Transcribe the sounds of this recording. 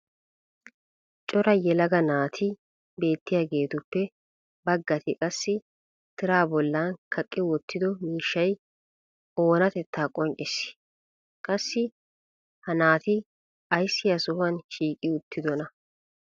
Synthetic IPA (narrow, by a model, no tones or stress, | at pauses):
t͡ʃʼɔɾɐjɛlɐɡɐnaːt̪ʰɪ | be̞ːt̪ːɪjaːɡe̞ːt̪ʊpːɛ | bɐɡːɐt̪ɪkʼɐsːɪ | t̪ɪɾaːbɔlːaːnkʰɐkʼːɪwɔt̪ːɪd̪ɔmiːʃːɐj | o̞ːnɐt̪ɛt̪ʰːaːkʼɔŋt͡ʃʼɪsɪ̥ | kʼɐsːɪ | hɐnaːt̪ɪ | ɐjsːɪjɐsʊhɐnʃiːkʼɪʊt̪ʰːɪd̪ɔnɐ